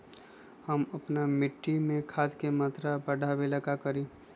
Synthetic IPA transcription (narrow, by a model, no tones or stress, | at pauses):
həmɐpnamɪʈːimẽkʰaːd̪kemaːt̪ɾabɐɖʱabelɐkakəɾĩː